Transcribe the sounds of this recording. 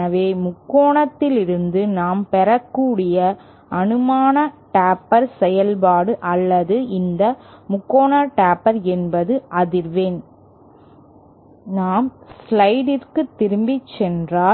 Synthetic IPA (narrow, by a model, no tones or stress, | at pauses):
ɐʋeːmʊkːoːɳɐt̪ːɪlɪɾɯnd̪ɯnaːmpɛɾɐkːuːɽɪjɐ | ɐnɯmaːnɐʈaːpːɐɾsɛjɐlpaːɽɯʔɐlːɐðɯɪnd̪ɐmʊkːoːɳaːʈaːpːɐɾɛnbɐðɯʔɐðɪɾʋeːn | naːmslɐɪɖɪrkɯt̪ːɪɾɯmbɪt͡ʃːɛndraː